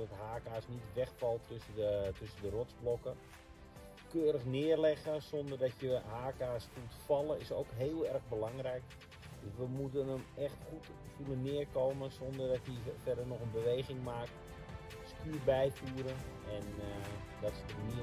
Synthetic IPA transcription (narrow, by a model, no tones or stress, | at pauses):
dɔtɦaːkaːsnitʋɛxfɑlˠtʰøsəətøsəndərɔtzblɔkə | køːɾəxnɪərlɛxəsɔndərdɔtjəɦaːkaːsfuətfɑlˠəɪso̰ːkɦeːlˠɛrɣbəlɑŋrɛjk | døsʋəmutənəmɛxtxut | fulənːɪːərkoːməsondərdɔtjəfɛrdərnɔxənbəʋejɣɪŋmaːk̚t | skyːrbɛjfuːɾəɛn | dɔtɪ̥stərmi